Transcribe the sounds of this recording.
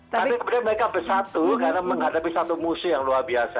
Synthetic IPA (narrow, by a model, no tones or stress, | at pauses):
aikəmudianməɾekabəsat̪ukaɾnaməŋɦadapisat̪umusʊjaŋluarbiasa